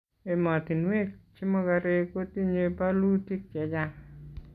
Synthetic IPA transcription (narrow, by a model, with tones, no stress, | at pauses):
e˨mɔ˨ti˨nwe˦k̚t͡ʃi˦mɔ˦ka˧ɾe˧ko˦ti˦ɲe˦palu˦ti˦k̚t͡ʃɛ˨d͡ʒa˦